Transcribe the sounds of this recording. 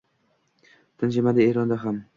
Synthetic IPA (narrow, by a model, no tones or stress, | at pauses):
t̪ʰɪnʃɪmad̪ɪeɾɒnd̪aɦam